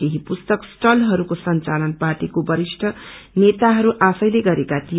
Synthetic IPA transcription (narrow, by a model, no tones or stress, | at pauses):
eɦipust̪ʌksʈʌlɦʌɾukosʌnt͡salʌnparʈikobʌɾisʈʰʌnet̪aɦʌɾuʔasʌjleɡʌɾekat̪ij